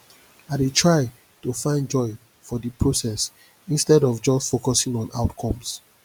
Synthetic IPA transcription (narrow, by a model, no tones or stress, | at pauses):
aɪditʰɹaɪ | tufãɪ̃nd͡ʒɔɪ | fɔdipʰɹosɛs | ĩnstɛdɔvd͡ʒɔstfokɔsĩŋɔ̃naʊtkʰɔ̃ms